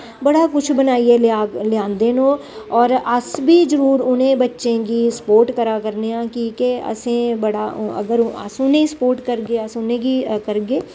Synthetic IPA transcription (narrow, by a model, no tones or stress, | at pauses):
bɐɽakʊt͡ʃʰbɐnaːiellɪjãːnd̪enõː | ɔːɾɐsbʱid͡ʒəɾuːɾʊnẽbɐtːʃẽkispoːɾʈkɐɾakɐɾneãkikeɐ̰sẽbɐɽaɐ̰ɡəɾə̰sʊnẽspoːɾʈkɐɾɡeasʊnẽɡikɐɾɡeː